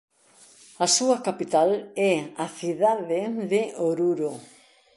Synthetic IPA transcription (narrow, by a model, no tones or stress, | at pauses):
ɐsuɐkapit̪alɛaθiðaðɪðɪoɾuɾo